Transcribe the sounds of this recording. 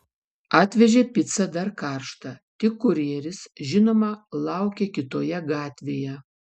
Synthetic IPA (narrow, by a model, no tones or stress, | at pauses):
ɑːt̪ʲʋʲɛʒʲeːpʲɪt̪sɐd̪ɐɾkɑɾʃt̪ɐt̪ʲɪkːʊɾʲiɛɾʲɪsʒʲɪnoːmɐlˠɑˑʊkʲɛkʲɪt̪oːjɛɡɑːt̪ʲʋʲeːjɛ